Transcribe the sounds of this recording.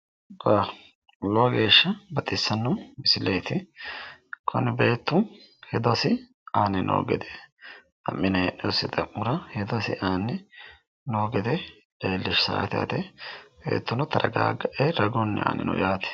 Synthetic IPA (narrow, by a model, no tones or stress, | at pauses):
wa | loːɡe̞ːʃːɐbɐt̪ʼɪsːɐnːɔmɪsɪlejt̪ɪ | kʰɔnɪbe̞ːt̪ːʊhɛd̪ɔɐsɪ | aːnːɪnʔo̰ːɡɛd̪ɛ | ɐ̰mːɪnɐʔɛɔsɪt̪ʼɐmːʊɾɐhɛd̪ɔsɪ̰ʔaːnːɪ | noːɡɛd̪ɛ | leːlːɪʃsa̰ːɐt̪ɪja̰ːt̪ɛbḛːt̪ːʊnɐt̪ɐɾɐɡa̰ːɡɐʔɛɾɐɡɔnːɛ̰a̰ːnɪ̰nʊ̰jaːt̪ɛ̥